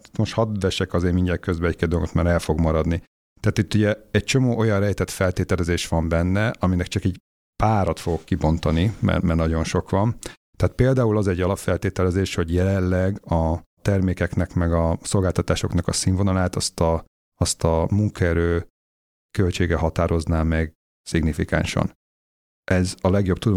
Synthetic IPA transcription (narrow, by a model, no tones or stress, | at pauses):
it̪mo̞ʃthɒd̪vɛʃɛkɒzeːmiɲɟɛkøzbɛɛcked̪olɡot̪maːɾɛlfo̞ɡmɒɾɒd̪ni | t̪aːt̪it̪ːuɟɛɛc̚t͡ʃo̞moːʔo̞jɒnrɛjt̪ɛt̪fɛlt̪eːt̪ɛlɛzeːʃʋɒmbɛnːɛʔɒminɛkt͡ʃɒkɛɟ | paːɾɒt̪fo̞ɡo̞kːibo̞nt̪ɒnimɛ̰mɛrnɒɟo̞nʃo̞kʋɒn | t̪ɛat̪̚peːld̪aːulɒzɛɟːɒlɒffːɛlt̪eːt̪ɛlɛzeːʃho̞ɟjɛlɛllːɛɡɒt̪ɛrmeːkɛknɛkmɛɡɒso̞lɡaːlt̪ɒt̪aːʃo̞knɒkɒsiɱvonɒlaːt̪ɒst̪ɒː | st̪ɒmuŋkɒɛɾøː | kø̞lt͡ʃeːɡɛɦɒt̪aːɾʔo̞znaːmɛɡ | siɡnifika̰nʃɒ̰n | ʔɛzɒlɛɡjo̞b̚t̪ud̪o